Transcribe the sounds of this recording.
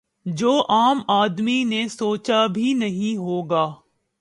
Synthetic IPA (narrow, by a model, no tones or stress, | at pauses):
d͡ʒoːʔaːmaːd̪minẽsoːt͡ʃabʱinɐɦĩɦoːɡaː